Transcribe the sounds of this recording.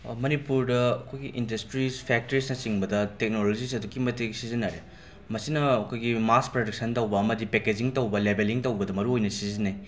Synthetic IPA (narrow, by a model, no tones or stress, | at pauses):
mɐnipuɾdɐɐkʰojɡiʔindɐstɾispʰek̚tɐɾisnɐsiŋbɐdɐtek̚nolod͡ʒis̬ɐdukimɐteksizɐnːaɾe | mɐsinɐːkʰojɡimaspɾodɐk̚sɐntɐwbɐɐmɐdipeked͡ʒiŋtɐwbɐlebeliŋtɐwbɐdɐmɐɾuojnɐsizinɐj